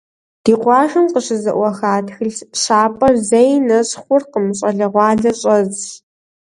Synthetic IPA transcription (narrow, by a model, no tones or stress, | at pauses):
d̥iːqʷɑːʒɨmqəɕɨzɐ̰ʔʷɐxaːtxɨɮɕaːpʼɐrzejnɐɕχʷʊrqəmɨɕʼɐɮɐʁʷɑːɮɐɕʼɐz